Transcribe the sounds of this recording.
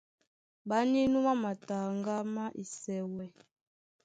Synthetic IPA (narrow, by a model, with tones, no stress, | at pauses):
ba˨˦ni˦nu˦ma˦ma˨ta˨ŋɡa˦ma˦ʔi˨sɛ˨wɛ˨